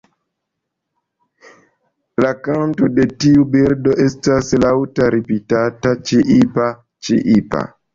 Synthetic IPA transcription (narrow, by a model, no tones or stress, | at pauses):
lakanto̞de̞tiubiɾdo̞ʔe̞staslawtaɾipitatat͡ʃiʔipa | t͡ʃḭʔipa̰